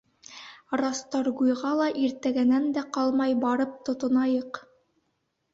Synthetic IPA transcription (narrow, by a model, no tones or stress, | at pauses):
rɑst̪ɑɾɡujʁɑlˠɑʔiɾt̪æɡænænd̪æqɑlˠmɑjbɑɾɤp̚t̪ŏt̪ŏnɑjɤq